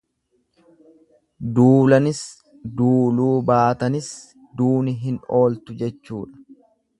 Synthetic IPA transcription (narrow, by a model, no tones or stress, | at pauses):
d̪uːlɐnɪs | d̪uːluːbaːt̪ɐnɪs | d̪uːnɪɦɪno̞ːlt̪ʊd͡ʒɛt͡ʃːuːᶑɐ̥